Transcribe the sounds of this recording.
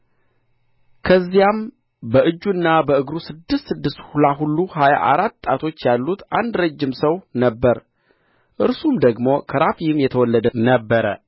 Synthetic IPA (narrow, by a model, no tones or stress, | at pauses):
kʰəzːijam | bəɨd͡ʒːuɨnːabəɨɡɾusɨd̪ːɨst̪sɨd̪ːɨst̪hulaɦulːuhaja̰ʔa̰ɾat̪ːʼat̪ʰo̞t͡ʃːjalːut̪and̪ɾəd͡ʒːɪmsəwnəbːəɾ | ʔɨɾsumd̪əɡmo̞kʰəɾafjɪmjɛt̪ʰəwɔlːəd̪ənəbːəɾə